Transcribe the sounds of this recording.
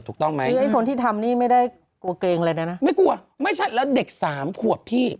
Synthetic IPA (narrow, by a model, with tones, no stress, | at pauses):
t̪ʰu˨˩k̚t̪ɔ˥˩ŋma˦˥˧ʔa˥˩k̪ʰo˧nt̪ʰiː˥˩t̪ʰa˧mniː˥˩ma˥˩jda˥˩j | ku˧ɐkeː˧ŋa˧la˧na˦˥na˦˥ma˥˩jku˧ɐ | ma˥˩jt͡ɕʰa˦˥˩lɛː˦˥wde˨˩k̚saː˩˦mkʰu˨˩ət̚pʰiː˥˩